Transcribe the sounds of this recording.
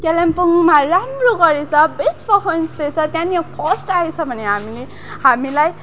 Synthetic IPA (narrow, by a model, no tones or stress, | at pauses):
kelempuŋmaɾamroɡʌɾet͡sʰʌbespʰʌɦʰʌnsd̪et͡sʰʌt̪jãniapʰʌsʈaet͡sʰʌbʱʌneɦamile | hamilaj